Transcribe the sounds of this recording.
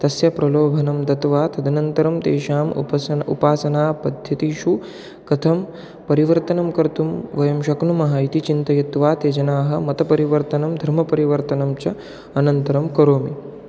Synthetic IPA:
t̪ɐsjɐpɾɐloːbʱɐnɐmd̪ɐt̪ʋaːt̪ɐd̪ʱɐnɐnt̪ɐɾɐmd̪ḛːʃaːm̰ɐṵpaːsɐnaːpɐd̪ʱjɐt̪iʃu | kɐt̪ʰɐm | pɐɾiʋɐɾt̪ɐnɐmkɐɾt̪umʋɐjɐmʃɐknumɐɦɐit̪it͡ʃint̪ɐjɐt̪ʋaːt̪eːd͡ʒɐnaːɦɐ̆mɐt̪ɐpɐɾiʋɐɾt̪ɐnɐmd̪ʱɐɾmɐpɐɾiʋɐɾt̪ɐnɐmt͡ʃɐ | ɐnɐnt̪ɐɾɐmkɐɾoːmi

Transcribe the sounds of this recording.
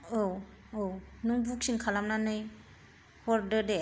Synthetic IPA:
ow | ownuŋbuk̚siŋkʰalamnanɯj | hɔɾdɯde

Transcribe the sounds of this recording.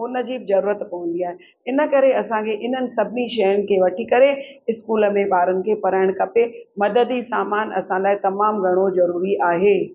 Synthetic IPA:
ʊnə̆d͡ʑiːbzɐɾuːɾət̪pɐʋə̃n̆d̪iaːɦe | ɪnə̆kɐɾeɐsãkʰeʔɪn̤ənɪ̆sɐbʱɪniʃɐjənɪ̆kʰeʋɐʈʰikɐɾeɪskuːləmẽbaːɾənɪ̆kʰepɐɾaːɪɽ̃kɐpemɐd̪əd̪isaːmaːnɐ̰sãlaːɪt̪ɐmaːmɡʱɐɽ̃ozɐɾuːɾiʔaːɦeː

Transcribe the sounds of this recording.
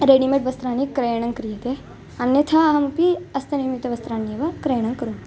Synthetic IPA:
ɾeːɖimẽʈʋɐst̪ɾaːnikɾejɳ̃ɐ̃ŋɡkɾijɐt̪e | ɐnjɐt̪ʰaɦɐmpiɐst̪ɐnimit̪ɐʋɐst̪ɾaːnːiʋɐkɾeːɽ̃ɐ̃ŋkɐɾoː

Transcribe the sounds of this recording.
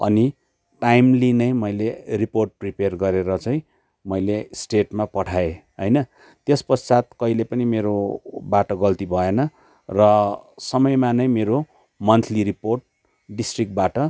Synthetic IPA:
ʌ̰ni | ʈajmlinʌj̃mʌjleriporʈ̚priperɡʌɾeɾʌt͡sʌj̃ | mʌjlesʈeʈmapʌʈʰaeɦʌjnʌ | t̪espʌssat̪̚kʌilepʌnimeɾobaʈʌɡʌlt̪ibʱʌenʌ | rʌsʌmʌjmanʌjmeɾo | mʌnt̪ʰliɾiporʈ̚ | ɖisʈrik̚ʈ̚baʈʌ

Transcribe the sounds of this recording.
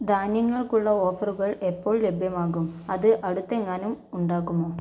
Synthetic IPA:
d̪aːnjɐŋːɐɭkuɭːɐo̞ːfɐruɣɐɭe̞pːo̞ːɭle̞bʱjɐmaːɣumɐðɨʔɐɽut̪ːeŋːaːnumuɳɖaːɣumo̞ː

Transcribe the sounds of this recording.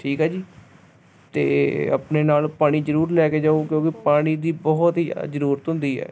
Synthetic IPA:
ʈʰiːkɦɛːd͡ʒiː | t̪ḛːə̰pneːnaːlpaːɽ̃iːzəɾuːɾlɛːkeːd͡ʒəõkjõːkɪpaːɽ̃iːd̪iːbɔɦt̪ḭzəɾuːɾət̪ɦʊ̃nd̪iːɦɛ̰ː

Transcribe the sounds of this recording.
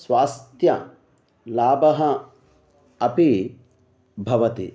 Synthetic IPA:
sʋaːst̪jɐ | laːbɐɦɐ | ɐpi | bʱɐʋɐt̪ḭ

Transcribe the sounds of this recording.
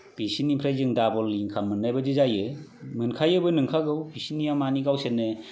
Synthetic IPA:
b̥isinipʰɾajzɯŋdabɔlːiŋkʰamɯnːajbɯdɯzajɯmɯnkʰajɯbɯnɯŋkʰaɡɯwbisinijamaniɡawsenːɯ

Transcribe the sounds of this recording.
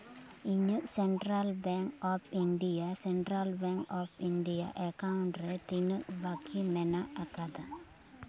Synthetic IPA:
iɲəʔsɛɳʈɾalbɛŋkɔpʰiɳɖijasɛɳʈɾalbɛŋkɔpiɳɖija̰ʔɛkawuɳʈɾɛt̪inəʔbakimɛnaakad̪a

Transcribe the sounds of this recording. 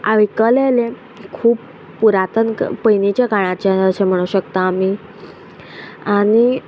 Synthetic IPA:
aʋikəlele | kʰuːp | puɾat̪ənpəjnit͡ɕjaɡaɽ̃at͡ɕeəsem̤əɽ̃uɕəkt̪aːm̤i | aɽ̃i

